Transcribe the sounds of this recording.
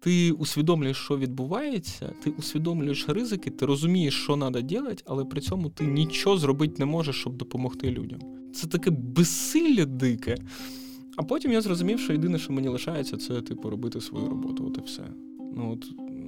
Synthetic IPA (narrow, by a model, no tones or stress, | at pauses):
t̪ɪʊsʲʋʲid̪ɔmlʲʊjeʃt͡ʃɔʋʲid̪̚bʊʋɑjet͡sʲːɐ̰t̪ɪʔʊsʲʋʲid̪ɔmlʲʊjeʃrɪzɪkɪt̪ɪɾɔzʊmʲijeʃt͡ʃɔnɑd̪ɐdʲilˠɐtʲɐlˠɛpɾɪt͡sʲɔmʊt̪ɪnʲit͡ʃɔzrɔbɪt̚ʲnɛmɔʒeʃt͡ʃɔb̚d̪ɔpɔmɔxt̪ɪlʲṵdʲɐ̰m | t̪sɛt̪ɐkɛbɛsɪlʲːɐd̪ɪkɛ | ɐpɔtʲimjazrɔzʊmʲiwʃt͡ʃɔjed̪ɪnɛʃt͡ʃɔmenʲilˠɪʃɑjet͡sʲːɐt̪sɛt̪ɪpʊɾɔbɪt̪ɪsʋɔ̰jṵɾɔ̰bɔ̰t̪ʊɔ̰t̪ɛwsɛ̰ | nuɔt̪